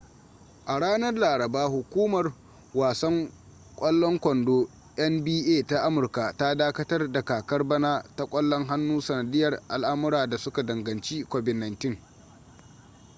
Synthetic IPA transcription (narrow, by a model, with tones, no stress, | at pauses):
ʔa˨ɽaː˦nɐ˦rlaː˨ɾɐ˨baː˦hʊ˨kʷuː˦mɐ˨r | waː˨sɐ˦ŋ | kʷʼɐ˦lːɔ˦ŋkʷɔ˨ndoː˦ | ʔɛ˦mbiː˦ʔeː˦˨ta˦ʔa˦mʊ˨rka˨ta˦daː˦kɐ˦tɐ˦rda˨kaː˨kɐ˦rbɐ˦naː˦ta˦kʷʼɔ˦lːɔ˦ŋɦa˦nːuː˦sɐ˨nɐ˨dɪ˦jːɐ˨rʔa˨lʔa˦mʊ˦ɾaː˨da˨sʊ˦ka˨dɐ˨ŋɡɐ˨nt͡ʃiː˦kʷɔ˨bɪ˨dna˨ntɪ˦ŋ